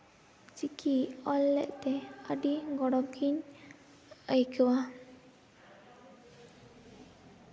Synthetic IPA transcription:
t͡ʃikʰiɔlːɛ̰ʔt̪ɛəɖiɡɔɽɔkiɲ | əjkʰəwa

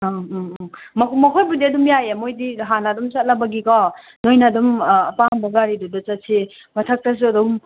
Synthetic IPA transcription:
mkmɐkʰojbudiɐdumjajemojdiɦanadumsat̚labaɡikɔ | nojnadumːpaŋbɐɡaɾidudɔt͡ʃatsʰe | matʰak̚tas̬uɐdum

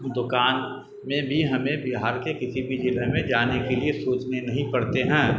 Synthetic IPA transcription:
d̪ʊkaːn | mẽbʱiɦɐmẽbɪɦaːɾkekɪsibʱid͡ʒɪləmẽd͡ʒaːnekeliesuːt͡ʃnenɐɦĩpɐɽt̪eɦɛ̃ː

